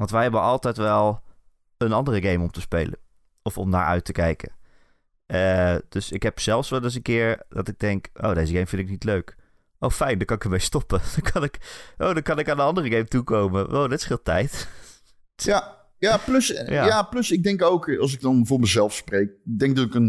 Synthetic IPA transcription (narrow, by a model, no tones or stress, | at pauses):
ʋɑntʋɛjɦɛbənɑlˠtɛjtʋɛlˠ | ənɑndərəɡejmɔmtəspḛjlə̰n | ɔfɔmna̰ːɹʔœ̰ɥtəkɛjkə̰ | əd̥øsɪkɦɛpsɛlˠfsʋɛlˠɪs̬ənkɪːɹd̥ɑtɪɡ̚dɛŋkʔo̰wdejzəɡejmfɪntɪk̚nitløɥk | ʔowfɛjndɑkɑnɪkəɹmejstɔpəd̥ɑkʰɑnɪkʔowdɑkɑnɪkaːndənɑndərəɡejmtukowməʔo̰wdɪtɪ̥sfɪːlˠtɛjt | ja | japlɵsjajaːplɵsɪɡ̚dɛŋkowkɑlˠs̬ɪɡ̚dɑnvʊːɹməzɛlˠfsprejk̚ɪɡ̚dɛŋɡ̚dɑtɪkən